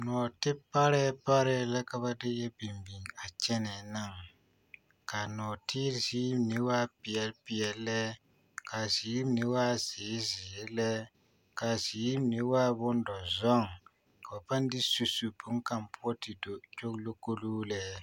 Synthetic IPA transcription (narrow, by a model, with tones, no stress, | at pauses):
nɔː˨tɪ˦pa˦ɾɛ˦pa˦ɾɛ˦la˦ka˨ba˦dɪ˦jɛ˦bi˨mbi˨ŋ˨a˨t͡ʃɛ˦nɛ˨na˦˨ŋ | ka˨nɔː˨tʰiː˦ɾziː˦m˦nɪ˦waː˦pɪ˨ɛ˨lpɪ˨ɛ˨llɛ˦ | ka˨ziː˨˦m˦nɪ˦waː˦zɪː˨˦zɪ˨ɾlɛ˦ | ka˨ziː˨˦nɪ˦waː˦bʊ˦n˦dɔ˨zɔ˦ŋ | ka˨ba˨pa˦n˦dɪ˦su˨su˨pʊ˦ŋ̩˦ka˨mpu˦ɔ˦ti˨do˨t͡ʃo˦klo˦ko˦luː˦lɛ˦